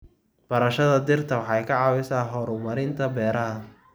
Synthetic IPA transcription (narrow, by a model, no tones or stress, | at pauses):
b̥ɐɾɐʃɐðɐd̪ɪrt̪ʰɐwɑħɑjkʰɐʕɑːwɪsaːɦɔːɾʊmɐɾɪnt̪ʰɐbɛːɾɐɦɐ